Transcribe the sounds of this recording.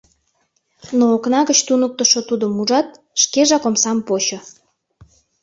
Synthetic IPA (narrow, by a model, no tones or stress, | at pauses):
noːknɑɣət͡ɕt̪unək̚t̪əʃot̪ud̪əmuʒɑt̪̚ | ʃkeʒɑkomsɑmpot͡ɕo